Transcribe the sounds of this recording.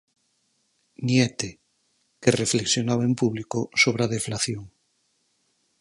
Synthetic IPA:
njet̪e | kerefleksjonaβaempuβlikosoβ̞ɾaðeflaθjoŋ

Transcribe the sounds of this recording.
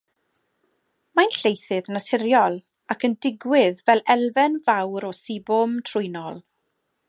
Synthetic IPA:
manɬejθɨðnatʰɪɾjɔlˠ | akəndɪɡwɪðvɛlˠɛlˠvɛnvawɾɔsibɔmtʰrʊjnɔlˠ

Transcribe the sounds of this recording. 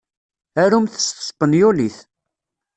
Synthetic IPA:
æɾumθə̥sə̥sˤpənjuliθ

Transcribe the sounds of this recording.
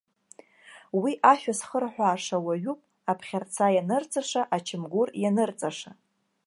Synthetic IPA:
wiʔaʃᶣasχərħᶣʷaːʂawaɥupʼ | apʰχʲart͡sʰajanɨrt͡sʼaʂaʔat͡ʃʰɪmɡʷʊrjanɨrt͡sʼaʂa

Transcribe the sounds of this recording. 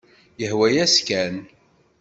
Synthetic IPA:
jəhwæjæskæn

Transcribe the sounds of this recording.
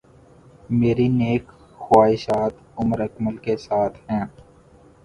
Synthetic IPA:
meːɾineːk | xʊwaːɦɪʃaːt̪ | ʊməɾɐkməlkesaːt̪ʰɦɛ̃ː

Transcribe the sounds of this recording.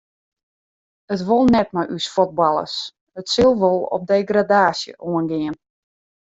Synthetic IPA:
ətʋolˠnɛt̚majʔysfot̚bɑlˠə̰s | ətsəlˠʋolˠɔ̰p̚dejɡradaːsjə̰ʔoənɡɪən

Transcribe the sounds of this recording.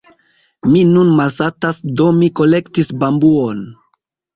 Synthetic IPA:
minunmalsatasdo̞miko̞le̞ktisbambuon

